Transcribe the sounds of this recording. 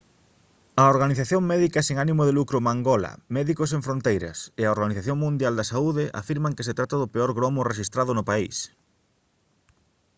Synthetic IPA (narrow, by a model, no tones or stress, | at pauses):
ɐoɾɣaniθaθjoŋmɛðikɐseŋanimʊðelukɾʊmaŋɡɔlɐ̰mɛðikos̬eɱfɾont̪ejɾɐ̰sɪɐoɾɣaniθaθjoŋmũnd̪jald̪ɐsauðɪʔa̰fiɾmɐŋkeset̪ɾat̪ɐðʊpeɔɾɣɾomʊreʃist̪ɾaðʊnʊpais